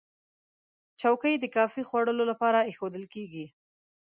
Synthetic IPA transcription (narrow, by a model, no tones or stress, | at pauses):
t͡ʃawkəjd̪əkɑfixwaɽəlolapɑɾaexod̪əlkeɡi